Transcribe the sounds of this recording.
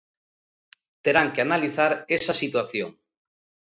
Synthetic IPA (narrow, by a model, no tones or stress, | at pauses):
t̪eɾaŋkeanaliθaɾesasit̪waθjoŋ